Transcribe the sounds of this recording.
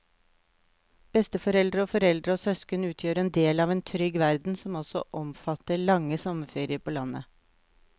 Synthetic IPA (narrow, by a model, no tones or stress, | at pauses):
b̥ɛst̪əfɔɾɛld̪ɾəoːfɔɾɛld̪ɾəoːsœskənəʉːt̪ʰjøːɾɛːnd̪eːlɑːʋeːnt̪ʰɾʏɡʋæɾd̪n̩sɔmɔsɔʔɔmfɑt̪əɭɑŋəsɔməfeːɾɪəɾpʰoːlɑnə